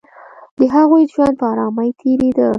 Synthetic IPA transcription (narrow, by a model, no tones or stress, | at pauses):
d̪əɦaɣojd͡ʒwand̪̚pəɑɾɑmajt̪ʰeɾed̪ə